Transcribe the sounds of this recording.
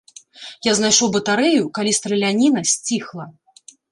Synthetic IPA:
jaznajʂɔwbɐt̪aɾɛjukalʲist̪ɾɛlʲanʲinɐsʲt͡sʲixlˠɐ

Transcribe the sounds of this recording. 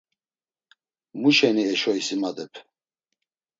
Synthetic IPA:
muʃɛniɛʃɔisimad̪ɛpʰ

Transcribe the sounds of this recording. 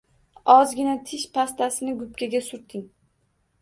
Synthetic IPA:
ɒzɡʲɪnat̪ʰɪʃpʰast̪asɪnɪɡʊpkʲaɡʲasʊɾt̪ʰɪŋ

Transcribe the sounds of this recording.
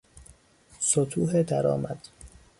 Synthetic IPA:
sot̪ʰuːɦed̪æɾɒ̰ːmæd̪̥

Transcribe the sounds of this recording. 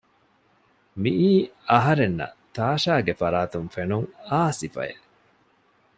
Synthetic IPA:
miʔiːɐɦɐɾenːɐ̰t̪aːʃaːɡefɐɾaːt̪uŋfenuŋaːsifɐ̰jḛʔ

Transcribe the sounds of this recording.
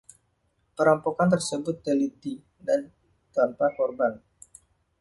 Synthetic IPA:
pəɾampokant̪ərsəbʊt̪ːəlit̪i | dan | t̪anpakɔrban

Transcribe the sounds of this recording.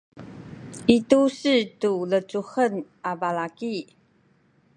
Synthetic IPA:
itusitulət͡suxən | avalaki

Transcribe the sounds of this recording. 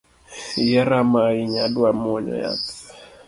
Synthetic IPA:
jaɾamaiɲaɗwamɔɲɔ̰ja̰t

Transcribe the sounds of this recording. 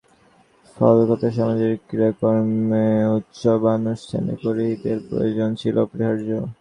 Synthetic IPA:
fɔ̰lokɔt̪aʃɔmad͡ʑeɾkiɾokoɾmmeut̪ːʃobanuʃtʰa̰nḭkoɾiɦit̪eɾpɾo̰jod͡ʑont͡ɕʰilopɾiɦaɾd͡ʑo

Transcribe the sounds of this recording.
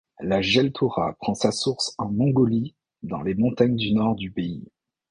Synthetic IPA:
laʒɛlt̪ʰuʁa̰pχɑ̃sasuʁsɑ̃mɔ̃ɡɔli | d̪ɑ̰̃lemɔ̃t̪aɲd̪ynɔʁd̪ypei

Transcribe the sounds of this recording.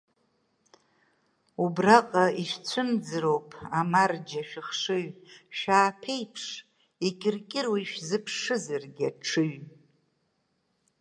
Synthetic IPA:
ubraqʼaiʃt͡sʷʰɨmd͡zɨrowpʼʰamard͡ʒaʃᶣɪχʂɨɥʃᶣaːpʰe̞jpʰʂ | ikʲʼɪrkʲʼɪrwiiʃᶣzɨpʰʂɨzarɡʲaʈ͡ʂʰɨɥ

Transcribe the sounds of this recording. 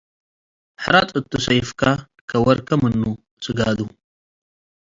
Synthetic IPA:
ħɾat̪ʼət̪ːusajfka | kɐwɐɾkɐmənːu | sɨɡaːd̪u

